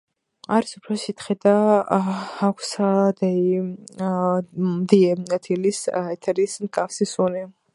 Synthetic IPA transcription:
aɾisupʰɾɔsit̪ʰχɛd̪a | akʷʰsd̪ɛi | md̪iɛat̪ʰilisɛt̪ʰɛɾismkʼafsisunɛ

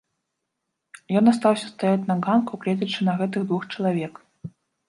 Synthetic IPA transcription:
jɔnast̪awsʲɐst̪ajat͡sʲnɐɣankuklʲɛd̪ʲɐt͡ʂːɨnɐɣɛt̪̬ɨɣd̪vuxt͡ʂɐlˠavʲɛk

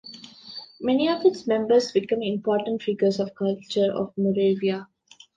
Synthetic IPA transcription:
mɛniɔʋɪʈsmɛ̃mbəɾsbɪkə̃mɪ̃mpɔːʈə̃ɳʈfiɡəɾsɔʋkʌlt͡ʃəɾɔ̰ʋmɔɾeːʋia

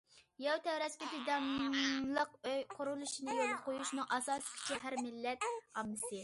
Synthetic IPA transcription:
jɛwt̪ʰɛwɾɛskʲip̪ʰid̪ɑmlˠəqøqʰːʊɾulˠuʃinɨjolˠqʰojuʃnɨŋʔɑsɑːskʲʰi̥t͡ʃʰiɦæɾmɪlːɛt̪̚ɑmːɨsɨ

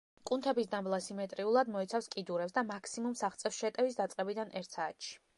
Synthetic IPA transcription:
kʼunt̪ʰɛbisd̪amblˠasimɛt̪ʼɾiulˠad̪mɔit̪sʰafskʼid̪uɾɛpsd̪amakʰsimumsaχt̪sʼɛfsʃɛt̪ʼɛvisd̪at̪sʼqʼɛbid̪anʔɛɾt̪ʰsaːt̪ʃi̥

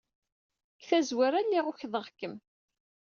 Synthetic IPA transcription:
kθæzwaɾælːiʁʊçðˤəʁkːəm

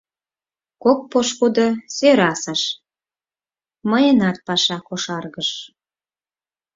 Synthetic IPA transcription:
kok̚poʃkud̪osøɾɑsəʃ | məjənɑt̪̚pɑʃɑkoʃɑrɣəʃ

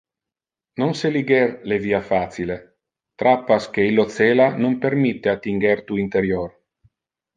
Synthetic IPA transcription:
nonseliɡɛrleviːafaːt̪sile | t̪ɾapːask̟eilːot̪seːlanompermit̪ːeat̪ːiŋɡert̪uint̪eɾjor

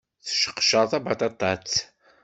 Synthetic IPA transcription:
θʃə̥qːə̥ʃəɾˤθæbat̪ɑt̪ˤːɑt͡s

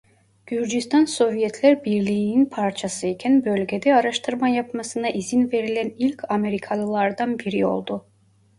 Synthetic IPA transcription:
ɟ̥yɾd͡ʒist̪ʰanso̞vijɛt̪ʰlʲæɾbiɾlʲijːninpʰaɾt͡ʃʰasɯicʰænbølʲɟed̪ɛaɾaʃt̪ʰɯɾmajapmasɯnaʔizinve̞ɾilʲænilʲcʰame̞ɾikʰalˠɯlˠaɾd̪anbiɾio̞̰lˠd̪ʊ

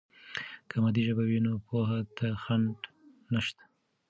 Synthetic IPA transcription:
kʰamad̪iʒəbawinopoɦat̪axaɳɖ | naʃt̪ḁ

